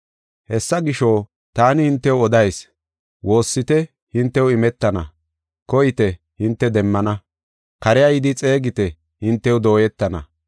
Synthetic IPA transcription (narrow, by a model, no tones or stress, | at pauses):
hɛsːɐɡɪʃoː | t̪aːnɪhɪnt̪ːɛwɔd̪ɐjs | wʔo̞ːsːɪt̪ɛ | hɪnt̪ːɛwɪmɛt̪ːɐnɐ̰ | kɔjɪt̪ɛ | hɪnt̪ːɛd̪ɛmːɐnɐ | kɐɾɛjɐjɪd̪ɪt͡sʼe̞ːɡɪt̪ɛ | hɪnt̪ːɛwd̪o̞ːjɛt̪ːɐnɐ̰